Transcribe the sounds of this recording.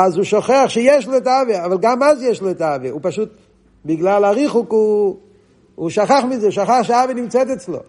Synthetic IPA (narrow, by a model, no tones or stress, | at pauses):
azuʃoχeaχʃejɛʃlɔɛtaaveavalɡamazjɛʃlɔɛtaaveupaʃut̪̚ | biɡlalaʁiχuku | ʃaχaχmizɛuʃaχaχʃeaavenimt͡sɛt̪̬ɛt͡slo̰